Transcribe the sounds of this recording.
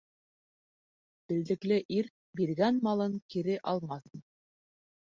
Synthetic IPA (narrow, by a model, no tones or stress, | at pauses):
b̥ɘ̆ld̪ɘ̆klɘʔiɾ | biɾɣænmɑlˠɤŋkiɾɘʔɑlˠmɑθn